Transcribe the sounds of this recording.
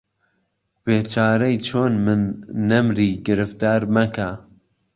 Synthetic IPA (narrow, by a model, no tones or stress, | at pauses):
beːt͡ʃʰaːɾɐjt͡ʃʰoːnmɨnːɐmɾiːɡɨɾɨft̪aːɾmɐka